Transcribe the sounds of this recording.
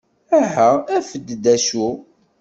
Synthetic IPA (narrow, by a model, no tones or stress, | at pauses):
æɦææfəd̪ːd̪æʃu